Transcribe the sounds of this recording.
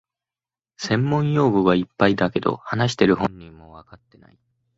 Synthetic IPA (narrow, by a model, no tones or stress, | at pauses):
sẽ̞mːõ̞ɰ̃jo̞ːɡɯ̟ɡaipːaid̪ake̞d̪o̞̰hanaɕ̬i̥t̪e̞ɾɯ̟ɦõ̞ɲʲːĩmːo̞βakat̪ːe̞na̰i